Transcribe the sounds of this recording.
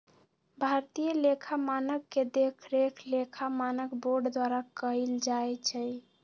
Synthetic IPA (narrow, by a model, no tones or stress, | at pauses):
bʱaɾt̪ijəlekʰamanəkːed̪ekʰɾekʰlekʰamanəkboɾɖd̪waɾakəjld͡ʒajt͡ʃʰɛ